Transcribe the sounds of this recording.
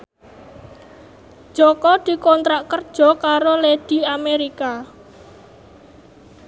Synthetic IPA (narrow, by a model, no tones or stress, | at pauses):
d͡ʒ̥ɔkɔd̪̥i̤kɔnt̪ɾaʔkərd̥ʒ̥ɔ̤kaɾoled̪̥i̤ameɾika